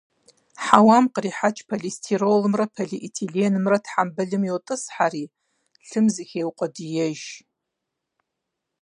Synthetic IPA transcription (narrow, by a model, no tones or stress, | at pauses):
ħawamqʼəriħat͡ʃʰʼpʰaɮestʰirolɨmrapʰaɮiʔitʰiɮienɨmratʰħambɨɮɨmjowtʼɨsħari | ɬɨmzɨxʲewqʷʼɐdijɛʒ